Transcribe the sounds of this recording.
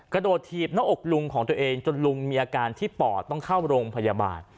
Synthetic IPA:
kɾa˧doː˨˩t̪ʰːiː˨˩p̚na˦˥ʔo˨˩k̚lu˧ŋkʰɔː˩˦ŋt̪u˧ɐʔeː˧ŋt͡ɕo˧nlu˧ŋmiː˧ʔaː˧kaː˧nt̪ʰiː˥˩pɔː˨˩t̪ːɔ˥˩ŋkʰaː˥˩wɾoː˧ŋpʰa˧ja˧ba̰ː˨˧n

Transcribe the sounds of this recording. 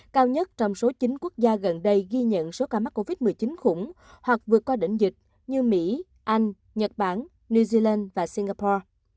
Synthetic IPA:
kaː˧wɲə˦˥t̚t͡ɕɔ˧wŋ͡mso˨˦t͡ɕï˨˦ŋ̟ku˦˥ək̚zaː˧ɣə˨˩nɗə˧jɣi˧ɲə̰˧˨nso˨˦kaː˧˩ma˦˥k̚ko˧vi˦˥t̚mɨ˨˩əjt͡ɕi˨˦nxʊ˧˩ŋ͡m | hwa˨˩k̚vɨ˨˩ət̚kwaː˧ɗḭ˧˨ŋ̟zï˨˩k̟̚ | ɲɨ˧mḭ˧˥ | ʔa˧jŋ̟ | ɲə˨˩t̚ɓaː˧˩n | nu˧zi˧laː˧nvaː˨˩si˧ŋɣaː˧pɔː˧

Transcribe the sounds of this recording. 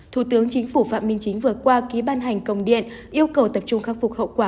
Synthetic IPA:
t̪ʰu˧˩t̪ɨ˨˦əŋt͡ɕï˨˦ŋ̟fu˧˩fa̰ː˧˨ʔmi˧ŋt͡ɕï˨˦ŋ̟vɨ˨˩ət̚kwaː˧ki˨˦ɓaː˧nɦa˨˩jŋ̟kə˧˩wŋ͡mɗḭ˧˨ən | ʔi˧əwkə˨˩wt̪ə˨˩p̚t͡ɕʊ˧ŋ͡mxaː˦˥k̚fʊ˨˩k͡p̚ho̰˧˨kwaː˧˩

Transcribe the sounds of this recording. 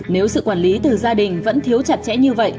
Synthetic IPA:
ne˨˦wsɨ̰˧˨kwaː˧˩nli˨˦t̪ɨ˨˩zaː˧ɗï˨˩ŋ̟və̰˧˥nt̪ʰi˨˦əwt͡ɕa˨˧˩t̚t͡ɕɛ̰˧˥ɲɨ˧və̰˧˨jʔ

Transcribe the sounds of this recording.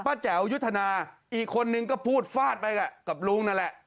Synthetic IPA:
paː˦˥t͡ɕɛ˩˦wju˦˥t̪ʰːa˧naː˧ʔiː˨˩kʰːo˧nːɯ˧ŋkɔː˥˩pʰuː˥˩t̪̚faː˥˩t̪̚pa˧jka˨˩ka˨˩p̚luː˦˥˩ŋna˥˩lɛ˨˩ʔ

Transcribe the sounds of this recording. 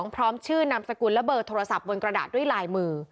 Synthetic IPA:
ŋpʰɾɔː˦˥mt͡ɕʰɯː˥˩na˧msa˧ku˧˩nlɛ˦˥bɤː˧˩t̪ʰːoː˧ɾa˧sa˨˩p̚wo˧nkɾa˧da̰ː˨˩t̪̚du˥˩əjlaː˧jmɯː˧

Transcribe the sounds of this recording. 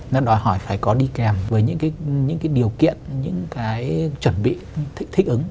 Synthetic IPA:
nɔ˨˦ɗɔ˨˦jhɔ˧˩jfaː˧˩jkɔ˨˦ɗi˧kɛ˨˩mvəː˨˦jɲɨ̰˧˥ŋkaː˨˦jɲɨ̰˧˥ŋkaː˨˦jɗi˨˩əwkḭ˧˨ənɲɨ̰˧˥ŋkaː˨˦jt͡ɕwə˧˩nɓḭ˧˨t̪ʰk̚t̪ʰi˦˥k̚ʔɨ˨˦ŋ

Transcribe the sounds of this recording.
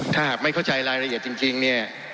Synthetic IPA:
t̪ʰaː˥˩ɦaː˨˩k̚ma˥˩jkʰa˥˩wt͡ɕa˧jɾaː˧jɾa˧ʔi˨˩ət̪t͡ɕi˧ŋt͡ɕi˧ŋni˥˩ɐ

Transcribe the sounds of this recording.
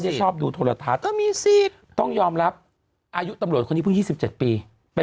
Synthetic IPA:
jda˥˩jt͡ɕʰɔː˥˩p̚duː˧t̪ʰoː˧la˧t̪ʰaː˧˩n˥˩miː˧siː˨˩t̪ | t̪ɔ˥˩ŋjɔː˧mɾa˦˥p̚ | ʔaː˧ju˦˥t̪a˧mɾət̪̚ko˧niː˦˥˩ŋjiː˥˩si˨˩p̚t͡ɕe˨˩t̪̚piː˧ | pe˧

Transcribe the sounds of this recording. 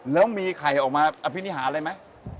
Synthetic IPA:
lɛː˦˥wmiː˧kʰa˨˩jʔɔː˨˩k̚maː˧ʔa˧pʰi˦˥ni˦˥ɦaː˩˦ʔɾa˧jma˦˥j

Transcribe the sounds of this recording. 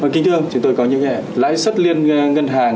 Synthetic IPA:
əː˨˩ki˨˦t̪ʰɨ˧əŋt͡ɕʊ˨˦ŋ͡mt̪o˧jkɔ˨˦ɲɨ̰˧˥ŋɛ̰˧˩la̰ː˧˥jsə˦˥t̚li˧ənŋə˧nɦaː˨˩ŋ

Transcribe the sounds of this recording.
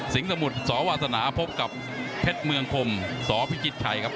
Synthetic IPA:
si˨˩˦ŋsa˧mu˨˩t̪̚sɔː˩˦waː˧t̪sa˧naː˩˦pʰo˦˥p̚ka˨˩p̚ | pʰe˦˥t̪̚mɯ˧əŋkʰo˧msɔː˩˦pʰi˦˥kʰi˦˥t̪̚t͡ɕʰa˨˩jkʰa˦˥p̚

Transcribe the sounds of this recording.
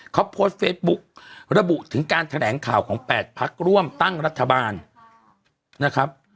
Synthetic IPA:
kʰɔ˦˥pʰːoː˦˥t̪̚feː˦˥t̪̚bu˦˥k̚ɾa˧bu˨˩ʔt̪ʰɯ˩˦ŋkaː˧nt̪ʰa˧lɛː˩˦ŋkʰaː˨˩wkʰɔː˩˦ŋpɛː˨˩t̪̚pʰa˦˥k̚ɾu˥˩əmt̪a˥˩ŋɾa˦˥t̪ʰːa˧baː˧n | na˦˥kʰɾa˦˥p̚

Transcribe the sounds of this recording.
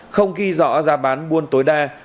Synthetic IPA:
xə˧wŋ͡mɣi˧zɔ̰˧˥zaː˨˩ɓaː˨˦nɓu˧ənt̪oː˨˦jɗaː˧

